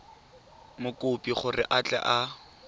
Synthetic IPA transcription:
mʊkʼʊpʼiχʊrɪ̰ʔat͡ɬʼɛ̰ʔa

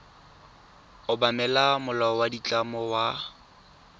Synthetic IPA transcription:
ʊbamɛlamʊlawadit͡ɬʼamɔwa

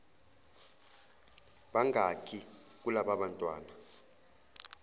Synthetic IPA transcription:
ɓaŋɡakʰik̬ulaɓaɓantʼwaːna

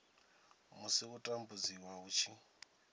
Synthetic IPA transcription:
musikutʼambud͡ziwaut͡ʃʰi

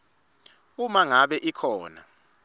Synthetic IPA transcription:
umaŋaɓɛʔikʰɔːna̰

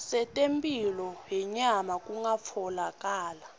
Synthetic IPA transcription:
sɛtʼempʼilɔɦɛɲamakʼuŋap̪fʰɔlakʼaːla

